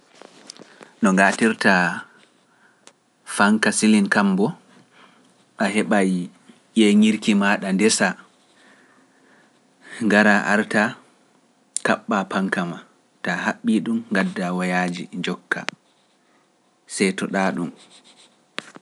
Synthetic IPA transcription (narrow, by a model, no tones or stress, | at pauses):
nɔŋɡatiɾta | faŋkasilinkambɔ | ʔaɦɛɓaj | ʔeŋiɾkimaːɗandɛsa | ŋɡaɾaʔaɾta | kaɓːapaŋkama | tahaɓːiɗumŋɡadːawajaːd͡ʒḭɲd͡ʒɔkːa̰ | sɛjtɔɗaːɗum